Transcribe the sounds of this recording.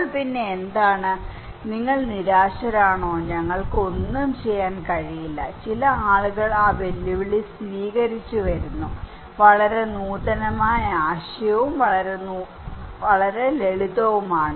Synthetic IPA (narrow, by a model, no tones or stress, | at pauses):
ɭpinːe̞ːnd̪aːɳɨ | niŋːɐɭniɾaːʂɐɾaːɳoːɲɐŋːɐɭko̞nːumt͡ɕe̞jːaːnkɐɻijilːɐt͡ɕilɐaːɭuɣɐɭaːʋe̞lːuʋiɭisʋiːɣɐɾit͡ɕːuʋɐɾunːu | ʋɐɭɐɾe̞nuːd̪ɐnɐmaːjɐaːɕjɐʋumʋɐɭɐɾe | ʋɐɭɐɾe̞leɭiðɐʋumaːɳɨ